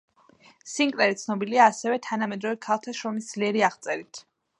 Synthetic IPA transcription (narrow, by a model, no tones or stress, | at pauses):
siŋkʼɾɛɾit̪sʰnɔbiliaːsɛvɛt̪ʰanamɛd̪ɾɔvɛkʰalˠt̪ʰaʃɾɔmisd̪zliɛɾiaʁt̪sʼɛɾit̪ʰ